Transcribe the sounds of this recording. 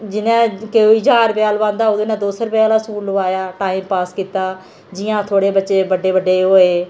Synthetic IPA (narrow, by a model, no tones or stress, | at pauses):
d͡ʒɪnẽːkeoɪd͡ʒaːɾpɪjaːlʋãːnd̪aːod̪ẽːnãːd̪oːsəɾpjaːlaːskuːlːəʋaːjaːʈaːiːmpaːskiːt̪aː | d͡ʒɪjãːt̪ʰoːɽeːbətːʃeːbəɖeːbəɖeːɦoːeː